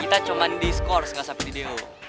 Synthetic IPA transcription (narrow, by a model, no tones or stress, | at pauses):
kit̪at͡ʃomandiskɔrsəŋɡasapidideo